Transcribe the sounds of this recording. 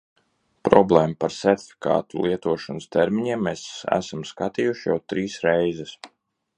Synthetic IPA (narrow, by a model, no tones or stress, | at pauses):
pɾɔblˠɛːmapaɾsɛɾt̪ʲfʲi̥ka̰ːt̪ulˠiɛt̪uɔʃanst̪ɛɾmiɲiɛmːeːsæ̰samskat̪iːjuʃija̰wt̪ɾiːsɾɛjzɛs